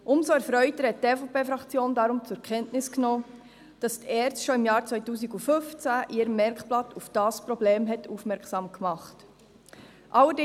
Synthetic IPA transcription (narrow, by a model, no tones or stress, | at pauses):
ʔʊmsoɛɾfɾœʏtəɾhɛt̚defopʰeːfɾɑkt͡sjoːndɑɾʊmt͡sʊɾkʰɛntnɪsknoː | d̥ɑstɛːɾstʃoɪmjɑːɾt͡sʋœʏtuːsiɡufʏft͡sæʔiːɾəmːɛɾkplɑtʰufd̥ɑːspɾɔbleːmɦɛtʰuːfmɛɾksɑːmkmɑχt | ʔɑlːədɪ